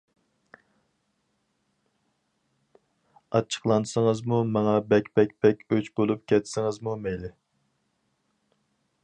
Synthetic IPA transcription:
ɑt͡ʃʰːə̥qlˠɑnsəŋəzmumɑŋɑbɛkʲpɛkʲpɛkʲøt͡ʃbolˠup̚kʲʰɛt̪sɪŋɨzmumɛjlɪ

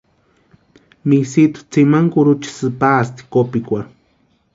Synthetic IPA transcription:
misit̪ʊ̥t͡simaŋkʊɾut͡ʃi̥sɨpast̪i̥kopikʷa

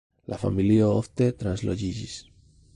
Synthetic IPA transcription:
lʔafa̰miliooθt̪et̪ɾanzloʝiʝis

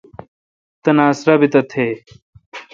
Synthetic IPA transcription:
t̪ɐnaːsɾɐbit̪ɐt̪ʰeː

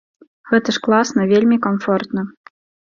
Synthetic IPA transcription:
ɣɛt̪əʂklˠɑsnɐvʲelʲmʲikɐnfɔrt̪nɐ

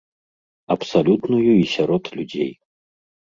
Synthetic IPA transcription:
ɐpsalʲut̪nujuisʲaɾɔt̪lʲud͡zʲḛj

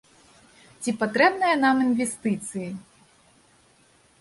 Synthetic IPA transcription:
t͡sʲipat̪ɾɛbnɐjɐnaminvʲɛst̪ɨt̪sɨji

